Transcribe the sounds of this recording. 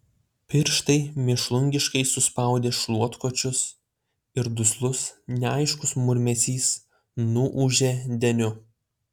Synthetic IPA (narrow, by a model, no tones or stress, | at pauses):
pʲɪɾʃt̪ɐɪmʲɪʃlˠʊŋʲɡʲɪʃkɐɪsʊspɐˑʊd̪ʲeːʃlˠuɔt̪kot͡ʃʲʊs | ɪɾd̪ʊslˠʊsnʲɛɐɪʃkʊsmʊɾʲmʲɛsʲiːs | nuʔuʒʲeːd̪ʲɛnʲʊ